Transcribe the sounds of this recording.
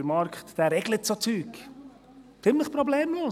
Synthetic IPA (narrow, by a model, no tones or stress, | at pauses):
əɾmɑɾkχt̪d̥̪æːɾɛɡ̥lət̪sot͡syːk | t͡sɪmləχpɾɔbleːmloː